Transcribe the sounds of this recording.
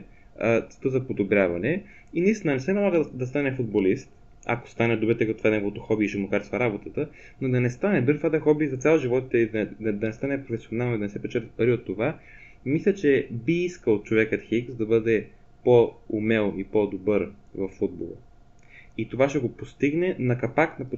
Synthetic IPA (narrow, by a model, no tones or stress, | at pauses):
t̪sɛ̥t̪əzɐpod̪obɾʲjavɐnɛ | inɐist̪inənɛsɛnɐlˠaɣəd̪ɐst̪anɛfud̪̚bolist̪ | a̰ko̥st̪anɛd̪obɛɾt̪ɛkɐt̪o̥fad̪nɛvot̪oxɔbiːʃɛmokaɾsvɐɾabot̪ət̪ə | nod̪ɐnɛst̪anɛb̪əɾt̪fad̪ɛxɔbizɐt̪sʲalˠʒivɔt̪t̪ɛid̪ɐd̪ɐnɛst̪anɛpɾofɛsionalˠnoid̪ɐnɛsɛpɛt͡ʃɛt̪ət̪̚pɐɾiot̪ːova | mislʲət͡ʃɛbiiskəlˠot̪̚t͡ʃovɛkət̪xiksd̪ɐbɤd̪ɛ | poumɛlˠipod̪obəɾ | vɐfːud̪̚bo̰lˠə̰ | it̪ovaʃɛɡopost̪iɡnɛnɐkɐpaknɐp